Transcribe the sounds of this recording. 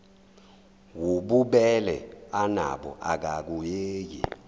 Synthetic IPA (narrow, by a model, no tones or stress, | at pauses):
wuɓuɓɛlɛ̰ana̰ɓɔ̰ʔak̬ak̬ujeːjḭ